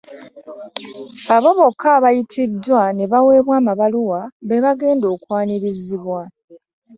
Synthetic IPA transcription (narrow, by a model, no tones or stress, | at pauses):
aβo̞βo̞kʰaβajitʰidːwane̞βawe̞ːβwaːmaβaluwaβeβaɡe̞ːndo̞ːkwaːniɾiziβwa